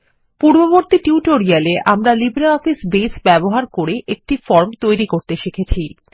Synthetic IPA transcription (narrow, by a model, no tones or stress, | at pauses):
puɾboboɾt̪iʈiuʈoɾialeʔamɾalibɾeɔfisbesbɛboɦaɾkoɾeʔek̚ʈifɔɾmt̪ojɾikoɾt̪eʃekʰet͡ɕʰi